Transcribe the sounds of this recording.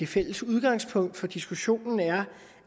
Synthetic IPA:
e̝fel̰əsuð̞ˠɡ̥ɑ̈ŋ̰spʰɔ̽ŋ̰d̥fɒ̽d̥isɡ̥uɕo̝̰ːnn̩æɐ

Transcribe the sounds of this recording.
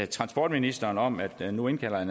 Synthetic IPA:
t͡sʰʁɑ̈nsb̥ɒ̰ːd̥minisd̥ɐːnɒ̽mæd̥nue̝nkʰæl̰ɐæn

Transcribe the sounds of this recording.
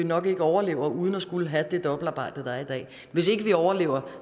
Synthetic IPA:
inɒ̽ɡ̥e̝ɡ̥əɒʊɐle̝̰ːʊ̰ɐʔuð̞ˠn̩ɒsɡ̥uləɦæd̥e̝d̥ɒ̽b̥l̩ɑ̈ːb̥ɑ̈ɪ̰d̥ð̩ˠd̥ɑid̥ɛ̰ː | ʋe̝se̝ɡ̥əʋiɒʊɐle̝̰ːʊ̰ɐ

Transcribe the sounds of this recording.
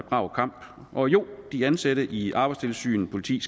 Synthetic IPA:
b̥ʁɑ̈ʊkʰɑ̈m̰b̥ | ʔɒ̽jo̝̰d̥iænsæɾ̥əʔiʔɑ̈ːb̥ɑ̈ɪst͡sʰe̝lsy̰ːn̩pʰo̝lit͡sʰḭːs

